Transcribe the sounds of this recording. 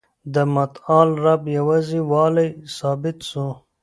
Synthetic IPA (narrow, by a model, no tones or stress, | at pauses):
d̪əmat̪ɑːlɾabjawaziwɑːləjsɑːbɪt̪su